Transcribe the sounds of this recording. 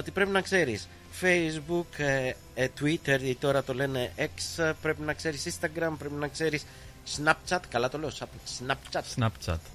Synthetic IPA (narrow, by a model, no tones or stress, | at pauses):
ot̪ipɾe̞pinɐkse̞ɾis | fejzbuk | t̪uit̪eɾit̪o̞ɾɐt̪o̞le̞ne̞ʔekspɾe̞pinɐkse̞ɾisĩst̪ɐɡɾɐmpɾe̞pinɐkse̞ɾisː | nɐp̚t͡ʃɐt̪kɐlɐt̪o̞le̞o̞sɐpsnɐpt͡ʃɐt̪snɐpt͡ʃɐ̰t̪